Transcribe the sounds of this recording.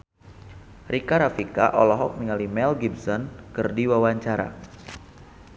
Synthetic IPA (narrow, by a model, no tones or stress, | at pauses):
rikaɾafika̰ʔɔlɔɦɔk̚niŋalimɛlɡibsɔnkɨrdiwawaɲt͡ʃaɾa̰